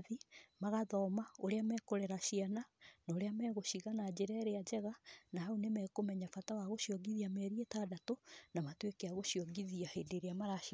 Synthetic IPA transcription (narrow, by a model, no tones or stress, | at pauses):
ðimaɣaðɔmaoɾeamɛkoɾɛɾaɕiananaoɾeamɛɣoɕiɣanad͡ʑeɾɛɾead͡ʑɛɣanaaunemɛkomɛɲafatawaɣoɕiɔɡiðiamɛɾietaːdatonamatwekeaɣoʃiɔɡiðiahedeɾeamaɾa